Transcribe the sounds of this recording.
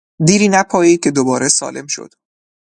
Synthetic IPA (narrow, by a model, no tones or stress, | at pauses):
d̪iːɾiːnæpʰɒːjiːcʲʰe̞d̪obɒːɾesɒ̰ːle̞mʃo̰d̪̥